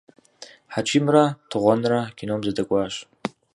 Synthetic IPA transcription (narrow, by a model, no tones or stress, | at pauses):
ħat͡ʃʷʰimratʰɨʁʷanrakʲinomzadakʷʼaʃ